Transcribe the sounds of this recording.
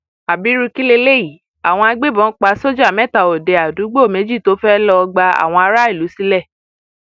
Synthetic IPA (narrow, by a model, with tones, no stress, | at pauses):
a˨bi˨˦ɾu˧ki˦le˧le˦i˨ | a˨w̃ɔ̃˧a˧ɡ͡be˦˨bɔ̃˨˦k͡pa˧˦so˦d͡ʒa˦˨mɛ̃˦˨ta˨o˨de˨a˨du˨˦ɡ͡bo˦˨me˨˦d͡ʒi˦˨to˨˦fɛ˦lɔ˧ɡ͡ba˧a̰˨w̃ɔ̃˧a˧ɾa˦i˦˨lu˨˦si˦lɛ˦˨